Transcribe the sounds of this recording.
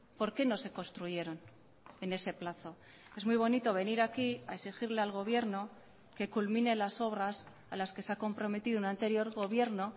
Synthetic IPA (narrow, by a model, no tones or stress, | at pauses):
po̞ɾke̞no̞se̞ko̞nst̪ɾuʝe̞ɾo̞n | e̞ne̞se̞plaθo̞ | e̞zmujβ̞o̞nit̪o̞β̞e̞niɾakiaesixiɾle̞alɣ̞o̞β̞je̞ɾno̞ | ke̞kulmĩne̞laso̞β̞ɾas | alaske̞seako̞mpɾo̞me̞t̪iðounant̪e̞ɾjo̞ɾɣo̞β̞je̞ɾno̞